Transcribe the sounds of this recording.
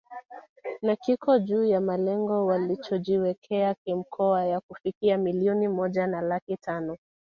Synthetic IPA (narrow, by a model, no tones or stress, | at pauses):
nakikɔʄuːjamalɛŋɡɔwalit͡ʃɔʄiwɛkʰɛakim̩kʰɔajakufikiamiliɔnimɔʄanalakitʰanɔ